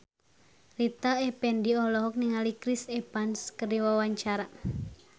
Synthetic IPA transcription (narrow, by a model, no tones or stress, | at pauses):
lit̪aɛpɛndiɔlɔɦɔk̚niŋalikɾisɛpanskəriwawaɲt͡ʃaɾa